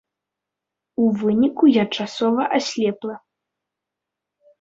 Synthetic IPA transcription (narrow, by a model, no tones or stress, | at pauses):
uvɨnʲikujat͡ʂasɔvɐʔasʲlʲɛplˠɐ